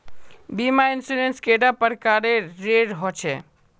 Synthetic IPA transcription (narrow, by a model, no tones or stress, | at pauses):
bimainsuɾenskeɖapəɾkaɾeɾeɾɦɔt͡ʃʰɛ